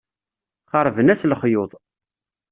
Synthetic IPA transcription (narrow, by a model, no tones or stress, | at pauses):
χəɾˤvənæsləχjʊðˤ